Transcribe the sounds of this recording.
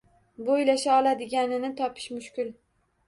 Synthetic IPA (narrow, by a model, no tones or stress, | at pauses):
bojlaʃaɒlˠad̪ɪɡʲanɪnɪt̪ʰɒpʰɪ̥ʃmʊʃkʲʊl